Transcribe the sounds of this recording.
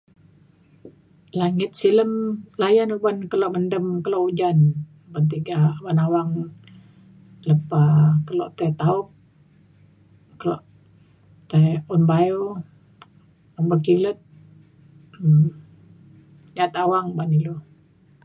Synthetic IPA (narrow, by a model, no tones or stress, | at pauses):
laŋɪt̪̚siləmlajanubankəloʔməndəmkəloʔud͡ʒan | bant̪̬iɡabanawaŋ | ləpakəlo̰ʔt̪ɛt̪aup̚ | kəlo̰ʔ | t̪aɔnbajo | anbakilət̪̚ | ɲat̪awaŋbanilu